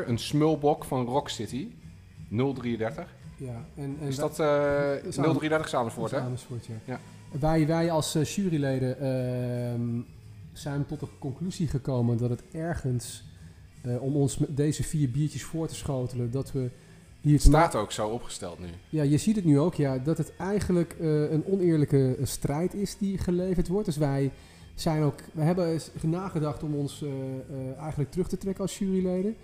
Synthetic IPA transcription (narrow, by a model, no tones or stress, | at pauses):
ɹənsmølˠbɔkfɑnrɔksɪti | nɵlˠdriədɛɹtəχjaɛnɛɪsdɑt | nəlˠdriədɛɹtəχsaːməsfoːɹtɛaːməsfoɹtjaja | ʋɛjʋɛjɑlˠsʃyːrilejdə | z̥ɛjntɔtəkɔŋklyziχəkowməndɑtətɛɹχəns | ɔmɔnsmdejzəfiːɹbiːɹtəsfʊːɹtəsχowtələndɑtʋə | distaːtowksowɔpχə̥stɛ̰lˠtny̰jajəzitətnyowkjadɑtətɛjχənləkənɔnɪːɹləkəstrɛjtɪsdiχəlejvəɹtʋɔɹt̚d̥ɵsʋɛj | z̥ɛjnokʋəɦɛbənaːχədɑχtɔmɔns | ɛjχənlək̚trɵχtətrɛkənɑlˠsyːrilejdən